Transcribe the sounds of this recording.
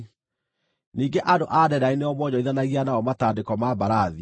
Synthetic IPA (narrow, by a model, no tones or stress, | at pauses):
niːŋɡeʔadoʔaːdɛɾaineɔmwɔɲɔiðanaɣianaɔmataːdekɔmabaɾaði